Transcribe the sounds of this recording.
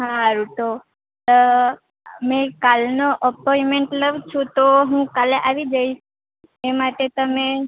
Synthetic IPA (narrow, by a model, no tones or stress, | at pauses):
ɦãɾuʈo | ə | mẽkalnoʔəpɔimeɳʈləʋt͡ʃʰũt̪oɦũkaleʔaʋid͡ʒəiʃ | emaʈet̪əme